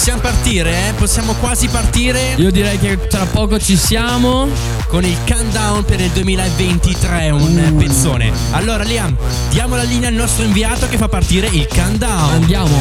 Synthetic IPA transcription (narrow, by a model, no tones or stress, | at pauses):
sːjamopart̪iːɾeɛposːjaːmokwaːzipart̪iːɾeiːod̪iɾɛjke | t̪ɾapːɔːkot͡ʃisjaːmo | konilkand̪awnpeɾild̪uemiːlaevːent̪it̪ɾɛunpensoːnḛ | alːoːɾaliam | d̪̥jaːmolaliːnealnɔst̪ɾoĩɱviaːt̪okefːapːart̪iːɾeilkand̪awand̪jaːmo